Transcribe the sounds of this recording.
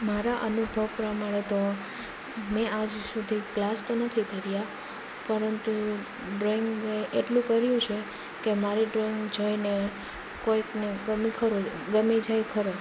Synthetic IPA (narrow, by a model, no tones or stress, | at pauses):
maɾaʔənubʱəʋpɾəmaɽ̃et̪o | mɛad͡ʒsud̪ʱiklast̪onət̪ʰikəɾja | pəɾənt̪u | ɖɾoiŋɡeʔeʈlũkəɾjũt͡ʃʰe | kemaɾiɖɾoiŋɡd͡ʒojne | koikneɡəmikʰəɾoɡəmid͡ʒajkʰəɾo